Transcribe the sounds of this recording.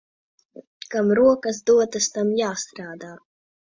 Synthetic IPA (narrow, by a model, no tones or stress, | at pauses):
kamɾuɔkazd̪uɔt̪ast̪amjaːst̪ɾaːd̪aː